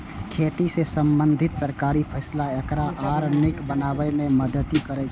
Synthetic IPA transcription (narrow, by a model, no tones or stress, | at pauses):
kʰet̪isesəmbənd̪ʱit̪səɾkaɾipʰəɪslaekɾaʔaɾnikbənabəmeməd̪ət̪ikəɾɛt͡ʃʰɛ